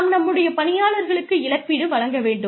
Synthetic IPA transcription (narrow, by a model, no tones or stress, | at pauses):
mnɐmːɯɽɐjɐpɐnɪjaːɭɐɾɣɐɭɯkːɯɪɭɐpːɪɽɯʋɐɻɐŋɡɐʋeːɳɖɯ